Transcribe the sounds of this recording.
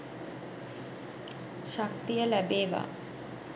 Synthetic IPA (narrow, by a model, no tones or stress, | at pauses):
ʃak̚t̪ijəlæbeːʋa̰